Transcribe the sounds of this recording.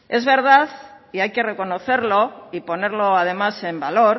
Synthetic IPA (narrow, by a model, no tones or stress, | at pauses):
e̞zβe̞ɾð̞aθ | iajke̞re̞ko̞noθe̞ɾlo̞ipone̞ɾloað̞e̞mase̞mbalo̞ɾ